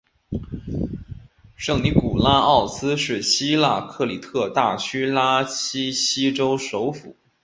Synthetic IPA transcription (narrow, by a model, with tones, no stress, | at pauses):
ʂɤ˥˩ŋni˧˥ku˨˩la˥ɑ˥˩ʊsɹ̩˥ʂɻ̩˥˩ɕi˥la̰˥˧kʰɤ˥˩li˨˩t̪ʰɤ˥˧t̪a˥˩t͡ɕʰy˥la˥ɕʰi˥ɕi˥ʈ͡ʂo˥ʊʂo˧˥ʊfṵ˨˩˦